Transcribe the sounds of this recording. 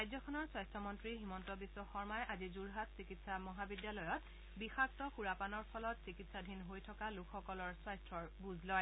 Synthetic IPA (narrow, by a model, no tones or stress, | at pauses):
ajzɔkʰɔnɔɹswajstʰɔmɔntɹiɦimɔntɔbisːɔxɔɹmajʔazizuɹɦatsikitsamɔɦabidjalɔjɔt | bixaktɔxuɹapanɔɹpʰɔlɔtsikitsadʱinɦojtʰɔkalukʰxɔkɔlɔɹswajstʰɹɔɹbuzlɔj